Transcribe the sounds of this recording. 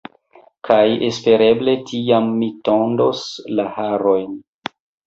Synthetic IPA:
kʰajespe̞ɾe̞ble̞tʰiamːitondoslahaɾo̞jn

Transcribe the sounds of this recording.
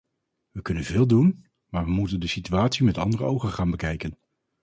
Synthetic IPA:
ʋəkɵnənvɪːlˠdun | maːɹʋəmutəndəsityaːtsimɛtɑ̰ndərəowχənχaːnbəkɛjkən

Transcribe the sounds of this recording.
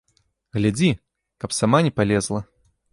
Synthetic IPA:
ɣlʲad͡zʲi | kɐpsamanʲɛpalʲɛzlˠɐ

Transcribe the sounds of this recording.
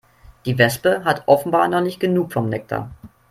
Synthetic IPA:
d̥iːvɛspəɦatʔɔfn̩baːnɔχnɪçt̚ɡ̥ənuːkfɔmnɛk̚tʰa̰

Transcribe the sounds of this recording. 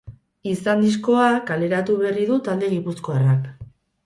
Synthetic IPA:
isand̪isko̞akale̞ɾat̪uβe̞riðut̪ald̪e̞ɣipusko̞arak

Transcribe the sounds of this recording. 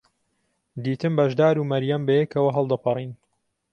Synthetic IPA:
d̪iːt̪ɨmbɐʒd̪aːɾuːmɐɾjɐmbɐjɛkʰɐwɐɦɐlˠd̪ɐpʰɨrˤiːn

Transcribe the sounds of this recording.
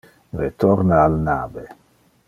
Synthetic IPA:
ret̪ɔɾnaalnaːbe

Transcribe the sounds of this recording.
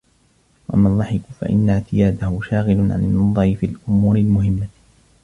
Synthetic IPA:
wʔamanðˤɑħɪkʊfa̰ʔɪ̰nːaʕt̪ɪjaːd̪ahʊʃaːɣɪlʊʕa̰nɪnːɑðˤɑɾɪfiːlʔʊmuːɾɪlmʊɦɪmːa

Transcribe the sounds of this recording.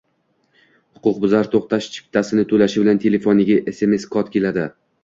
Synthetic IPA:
hʊ̥qʰʊq̚bʊzaɾt̪ʰoqt̪ʰaʃt͡ʃʰɪ̥p̚t̪ʰasɪnɪt̪ʰɵlaʃɪbɪlant̪ʰe̞le̞fonɪɡʲaʔese̞me̞skʰɒt̪kʲʰe̞lad̪ɪ

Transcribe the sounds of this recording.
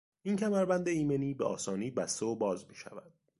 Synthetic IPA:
incʰæmæɾbænd̪eiːmeniːbeʔɒ̰ːsɒːniːbæst̪e̞obɒːzmiʃæ̰væd̪̥

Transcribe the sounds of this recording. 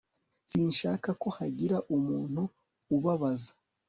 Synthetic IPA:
siːnʃaːkako̞haɟiɾaʔumuːn̥huː | βaβazḁ

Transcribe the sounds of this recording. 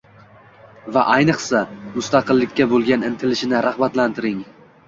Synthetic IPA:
vaʔajnɨχsamʊst̪ɑqʰɨlˠːɪkʲːabolˠɡʲanɪnt̪ʰɪlɪʃɪnɪɾahbat̪lant̪ʰɪɾɪŋ

